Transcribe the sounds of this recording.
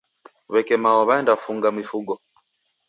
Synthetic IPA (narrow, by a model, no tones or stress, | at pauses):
βɛkɛmaɔβaɛndafuŋɡamwifuɡɔ